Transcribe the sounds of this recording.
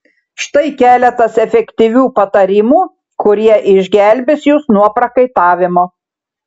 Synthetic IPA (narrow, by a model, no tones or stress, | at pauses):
ʃt̪ɐɪkʲæːlʲɛt̪ɐsɛfʲɛkʲt̪ʲiʋʲuːpɐt̪ɐɾʲɪmuː | kʊɾʲiɛʔɪʒʲɡʲæˑlʲbʲɪsjusnuɔpɾɐkɐɪt̪ɑːʋʲɪmoː